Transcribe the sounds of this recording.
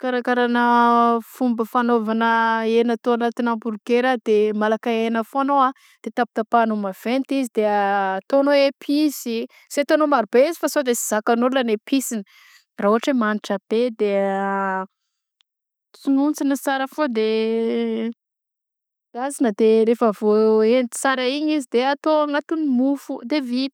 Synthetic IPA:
kaɾakaɾanəfumbəfanovanəenat̪oanat̪inambuɾɡeɾad̪emalakaenəfoanoa | d̪̥et̪api̥t̪apanomav̥ent̪izid̪eət̪onoepʰizi | set̪onomaɾubeizifasod̪esi̥z̥akanulanepʰisinə | raɦuaʈ͡ʂemaniʈ͡ʂəb̥ed̪e | t͡sununt͡sinət͡saɾəfod̪e | azinəd̪eɾefəvoent̪i̥saɾaiɲizid̪eat̪oaŋat̪unimufud̪evit̪

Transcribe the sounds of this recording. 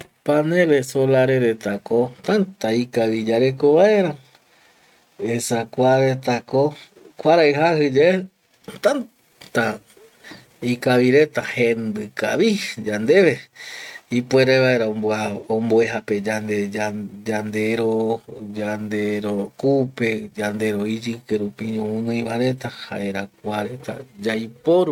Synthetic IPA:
panẽlesolaɾeɾe̞t̪akot̪ant̪aikaβid͡ʒaɾe̞koβae̞ɾa | esakʷaɾet̪ako | kʷaɾaɨɦahɨd͡ʒae | t̪an | t̪a | ikaʋiɾe̞t̪ahẽnd̪ɨkaβid͡ʒand̪e̞βe̞ | ipweɾeβaeɾaoaomboeɦape̞d͡ʒand̪ead͡ʒand̪e̞ɾod͡ʒand̪eɾoɾkupe̞d͡ʒand̪e̞ɾo̞id͡ʒɨkeɾupiõũnɨ̃j̃βaɾe̞t̪aha̰ʔeɾak̚ʷaɾe̞t̪a̰d͡ʒajpoɾu

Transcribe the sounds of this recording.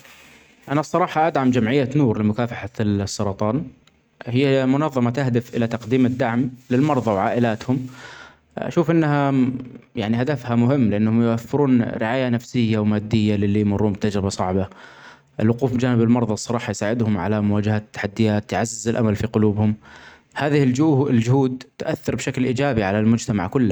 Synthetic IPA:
ʔanasˤːɑɾˤɑːħɑʔad̪ʕamd͡ʒamʕɪjːanuːɾlɪmʊkaːfaħasːɑɾˤɑt̪ˤɑːn | hɪjːamʊnɑðˤːɑmat̪ahd̪ɪfʔɪlat̪ɑqd̪iːmɪd̪ːaʕmlɪlmɑɾˤðˤɑwʕaːʔɪlaːt̪hʊm | ʔa̰ʃuːfʔɪnːha | jaʕnihad̪afhamʊhɪmːlɪʔanːhʊmjʊʔafːɪɾuːnɾɪʕaːjanafsɪjːawmaːd̪ːɪjːalɪlːijmʊrːuːnbɪt̪ad͡ʒɾɪbɑsˤɑʕba | ʔɪlwʊquːfbd͡ʒaːnɪbɪlmɑɾˤðˤɑsˤɑɾˤɑːħɑjsaːʕɪd̪hʊmʕa̰lamʊwaːd͡ʒɪhat̪ːḁħad̪ːɪjaːt̪ːʕazːɪzɪlʔamalfiqʊluːbhʊm | haːðɪhɪld͡ʒɪld͡ʒʊhuːd̪̚t̪ʔaθːɑɾˤbʃaklʔiːd͡ʒaːbiʕalalmʊd͡ʒt̪ama̰ʕkʊlːa

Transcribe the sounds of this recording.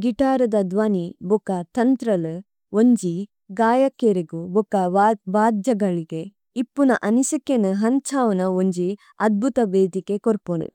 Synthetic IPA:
ɡiʈaːɾɐd̪ɐd̪ʋaːnibɔkɐt̪ɐnt̪ɾɐlɨ | oɲd͡ʒi | ɡaːjɐkːeɾeɡubɔkɐbaːd̪jɐɡɐɭiɡe | ipːunɐʔɐnisikːenɐɦɐnt͡ʃʰaːʋɐnɐoɲd͡ʒi | ɐd̪̚bʱut̪ɐʋeːd̪ikekoɾpunṵ

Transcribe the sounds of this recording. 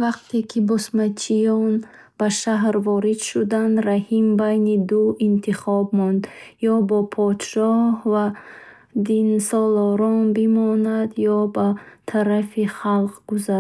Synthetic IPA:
vaqt̪ʰekʰibɔsmat͡ʃʰijɔn | b̥aʃaɦɾvɔɾid̪ʃud̪and̪ɾahimbajnid̪uint̪ʰiχɔbmɔnd̪jɔbɔpʰɔd̪ʃɔhva | d̪insɔlɔɾɔnbimɔnad̪jɔbat̪ʰaɾafiχalqɡuza

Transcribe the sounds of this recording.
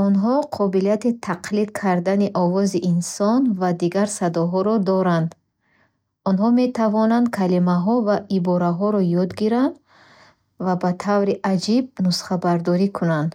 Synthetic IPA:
ɔnɦɔqʰɔbilijat̪it̪ʰaqlid̪kʰaɾd̪aniʔɔvɔziʔinsɔnvad̪iɡaɾsad̪ɔɦɔɾɔd̪ɔɾand̪ | ɔnɦɔme̞t̪ʰavɔnand̪̚kʰalimaɦɔvaʔibɔɾaɦɔɾɔjɔd̪ɡiɾand̪ | vabat̪ʰavɾiʔad͡ʒib̚nusχabaɾd̪ɔɾikʰunand̪

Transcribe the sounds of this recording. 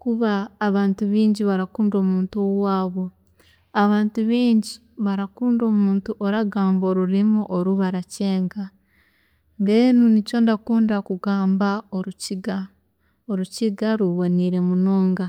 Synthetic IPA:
kuβaːβaːntuβiːɲɟiβaɾakuːndo̞ːmuːntowwaːβo̞ | aβaːntuβiːɲɟi | βaɾakuːndo̞ːmuːntuʔoɾaɡaːmbo̞ːɾuɾimuʔoɾuβaɾaceːŋɡa | nɡenunico̞ndakuːndakuɡaːmbaoɾuciɡa | oɾuciɡaɾuβoniɾe̞munoːŋɡa

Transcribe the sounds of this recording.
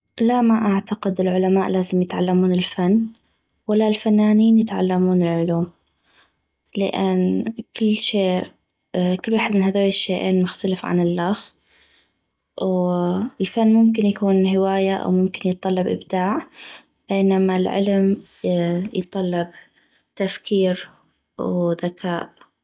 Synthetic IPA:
lamaʔaʕt̪aqɪd̪ɪlʕʊlamaːʔlaːzɪmjɪt̪ʕalːamuːnɪlfanː | walːalfanːaːniːnjɪt̪ʕa̰lːamuːnɪlʕʊluːm | lɪ̰ʔanːkɪlːʃeː | kʊlːwaːħɪd̪mɪnhaðoːjːɪʃːeːʔeːnmʊxt̪alɪfʕa̰nɪlːax | wɪlfanːmʊmkɪnjakuːnɦɪwaːjaʔa̰wmʊmkɪnjɨt̪ˤːɑlːɑbʔɪ̰bd̪aːʕ | b̥eːnamalʕɪ̰lm | jt̪ˤːɑlːɑb̚ | t̪afkiːɾ | wðakʰaːʔ

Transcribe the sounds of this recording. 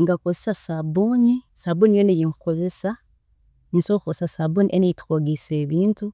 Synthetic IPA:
ŋɡakozesasabunisabunijonejiŋkukoze̞sa | ɲinsokukossasabuniʔenejitu̥xoɡiseβiːntu

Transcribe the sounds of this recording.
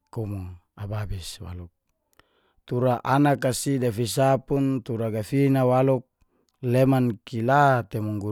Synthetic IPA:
kɔmu | ababiswa̰luk̚ | t̪uɾaʔanakasidafis̬apunt̪uɾaɡafinawaluk̚ | lemankilat̪emuŋɡu

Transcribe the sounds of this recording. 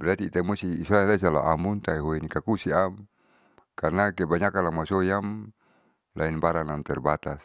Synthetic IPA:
bɛɾat̪iːt̪amusiisaalasala̰ʔamunt̪aiɦoinikakusiam | karnakɛbaɲakalaŋmasojam | lʔainbaɾanamt̪ɛrbat̪as

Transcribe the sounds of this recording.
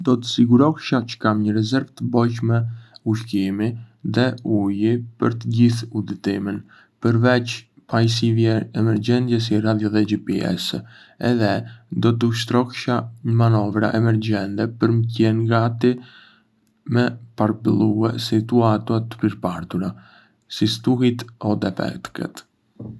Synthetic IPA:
d̪ɔt̪ə̥siɡuɾɔhʃat͡ʃə̥kamɲəɾɛzɛɾvt̪əbɔjcmɛuʃkimiðɛujipəɾt̪əɟiθud̪it̪imin | pəɾvɛt͡ʃ | pajs̬ivjɛɛmɛɾd͡ʒɛnd̪jɛs̬irad̪jɔðɛd͡ʒipiɛ̰s | ɛðɛd̪ɔt̪̬uʃ̬t̪ɾɔkʃaɲəmanɔvɾa̰ʔɛmɛɾɟɛnt̪ɛpəɾməcɛnɡat̪i | mɛpaɾ̚bəlˠuɛsit̪uat̪uat̪ə̥piɾpaɾt̪uɾa | sist̪uhit̪ɔd̪ɛpɛ̰t̪kɛ̰t̪

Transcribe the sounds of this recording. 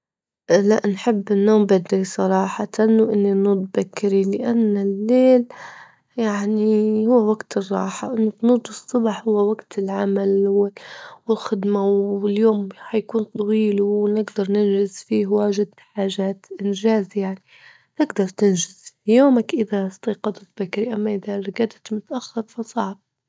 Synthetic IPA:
laʔnħɪbːɪnːoːmbad̪ɾisˤɑɾˤɑːħɑt̪anwʔɪnːinud̪ˤbakːɪɾilɪʔanːalːeːl | jaʕnihʊwːawaɡt̪ɨrˤːɑ̰ːħɑ̰wʔɪnːʊb̪nud̪ˤɨsˤːʊbɑħhʊwːawaɡt̪ɪlʕamalwɪwɪlxɪd̪mawɪljoːmhajakuːnt̪ˤɑwiːlunɪɡd̪ɑɾˤnɪnʒɪzfiːhwaːʒɪd̪ħaːʒaːt̪ʔɪnʒaːzjaʕni | t̪ɪɡd̪ɑɾˤt̪ɪnʒɪz̥fijoːmakʔɪðast̪ɑːqɑd̪ˤɑt̪bakːɾiʔamːaʔɪðaɡad̪t̪mʊt̪ʔaxːɑɾˤfɑsˤɑʕb̚

